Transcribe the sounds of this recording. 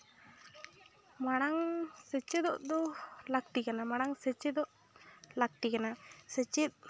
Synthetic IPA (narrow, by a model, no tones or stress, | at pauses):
maɽ̃aŋsət͡ʃɛd̪ɔʔd̪ɔlak̚t̪ikanamaɽ̃aŋsət͡ʃɛd̪ɔʔ | lak̚t̪ikanasət͡ʃit̪̚